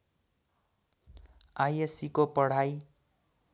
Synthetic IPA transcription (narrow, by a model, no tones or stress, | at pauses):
ajesikopʌɽ̤aj